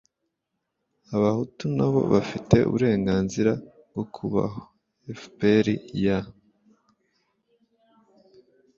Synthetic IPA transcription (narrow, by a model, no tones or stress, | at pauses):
aβahutunaβo̞̰βafite̞ṵβuɾe̞ːŋɡaːnziɾa | bɡo̞kʰuβa̰ɦo | efpeɾija